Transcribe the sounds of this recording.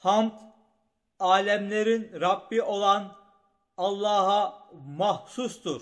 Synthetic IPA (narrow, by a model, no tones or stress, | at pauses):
hɑmt̪ | ɑːlɛmleɾinɾɑbːio̞lˠɑn | ɑlˠːɑːɦɑmɑhsusd̪uɾ